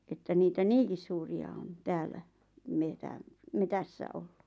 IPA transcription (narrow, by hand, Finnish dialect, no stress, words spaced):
etːæ niːtæ niːŋkis suːriɑ on tæːlːæ metæm metæsːæ olːu̥